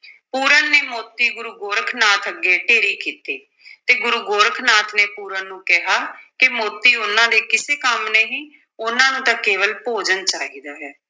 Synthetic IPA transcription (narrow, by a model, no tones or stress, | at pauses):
puːɾənːeːmoːt̪iːɡʊɾuːɡoːɾkʰnaːt̪ʰəɡːeːʈeːɾiːkiːt̪eː | t̪eːɡʊɾuːɡoːɾkʰnaːt̪ʰneːpuːɾənːũːkɪɦaːkɪmoːt̪iːʊnãːd̪eːkɪseːkəmneːɦiː | ʊnãːnũːt̪ãkeːʋəlpoːd͡ʒənt͡ʃaːɦiːd̪aːɦɛː